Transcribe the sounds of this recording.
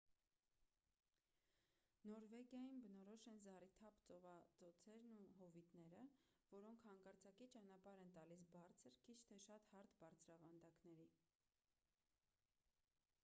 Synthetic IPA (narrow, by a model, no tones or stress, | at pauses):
nɔɾvɛɡjɑjinbənɔɾɔʃɛnzɑrit̪ʰɑpt͡sɔvɑt͡sɔt͡sʰɛɾnuɦɔvit̪nɛɾə | vɔɾɔŋkʰhɑŋkɑɾt͡sʰɑkit͡ʃɑnɑpɑɾɛnt̪ɑlisbɑɾt͡sʰəɾkʰit͡ʃʰt̪ʰɛʃɑt̪hɑɾt̪bɑɾt͡sʰɾɑvɑnd̪ɑknɛɾi